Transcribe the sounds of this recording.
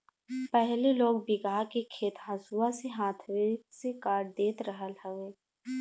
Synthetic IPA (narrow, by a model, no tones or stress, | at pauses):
pɛɦleloːɡbɪɡaːɦkekʰeːt̪ɦãsuaseɦãːt̪ʰʋeksekaːɾɖ̚d̪eːt̪ɾəɦəlɦəʋeː